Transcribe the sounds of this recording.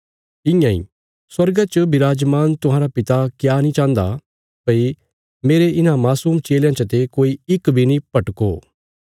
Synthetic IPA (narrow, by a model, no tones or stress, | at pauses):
ɪ̃jãḭ̃ː | swɐɾɡat͡ʃəbɪɾaːd͡ʒmaːnt̪ʊɦãːɾapɪt̪akjaːnĩt͡ʃãːnd̪a̰ | pɐi | meːɾeɪnãmaːsuːmt͡ʃeːljãt͡ʃɐt̪ekoːiɪkbʱinĩpɐʈko̰ː